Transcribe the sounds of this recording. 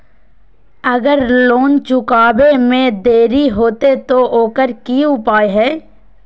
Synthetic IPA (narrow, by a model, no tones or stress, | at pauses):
ɐɡəɾloːnt͡ʃʊkaːbemẽd̪eːɾiɦoːt̪et̪ooːkəɾkiʊpaːeɦɛː